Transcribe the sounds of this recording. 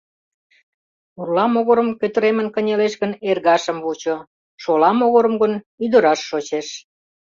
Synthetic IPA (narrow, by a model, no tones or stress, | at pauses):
urlɑmoɣoɾə̆mkøt̪əɾemə̆nkənʲeleʃɣənerɣɑʃəmβut͡ɕo | ʃolɑmoɣoɾəmɣən | yd̪əɾɑʃːot͡ɕeʃ